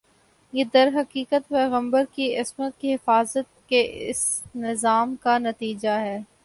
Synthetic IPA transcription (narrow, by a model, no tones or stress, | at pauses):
jeːd̪ɐɾɦɐqiːkət̪pɛːɣə̃mbəɾkiɪsmət̪̚kiɦɪfaːzət̪̚keʔɪ̰snɪzaːmkanɐt̪iːd͡ʒaɦɛː